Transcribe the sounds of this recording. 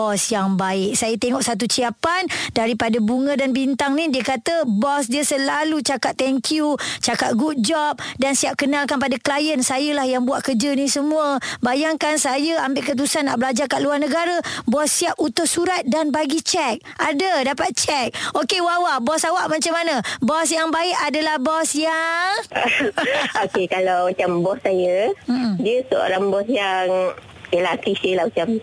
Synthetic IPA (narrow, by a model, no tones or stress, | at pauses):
ɔsjaŋbaɪk̚sajət̪eŋɔʔsat̪̬ut͡ʃiapandaɾipadabuŋə̃danbint̪aŋnĩdiəkat̪əbɔsdiəsəlalut͡ʃakat̪ːɛŋkjut͡ʃakat̪̚ɡuʔ̚d͡ʒɔp̚dansiap̚kənalkanpadaklajənsajəlahjaŋbuaʔkərd͡ʒənisəmuəbajaŋkansajəambɪʔkət̪̬usanːa̰ʔbəlad͡ʒakaʔ̪luarnəɡaɾəbɔsːiaput̪ʊʔsuɾat̪̚danbaɡit͡ʃɛk̚ʔadədapat̪̚t͡ʃɛk̚okewawabɔsawaʔmat͡ʃamːanəbɔsjaŋbaɪʔadalahbɔsjaŋ | okekalawmat͡ʃambɔsːajəm̩diəsəo̰ɾaŋbɔsjaŋ | əlahkɾisəlahmat͡ʃam